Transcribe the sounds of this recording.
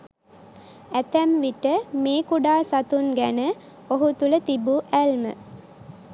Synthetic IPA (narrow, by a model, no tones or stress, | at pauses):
æt̪æmʋiʈəmeːkuɖaːsat̪unɡænə | oɦut̪ulət̪ibuʔælmə̰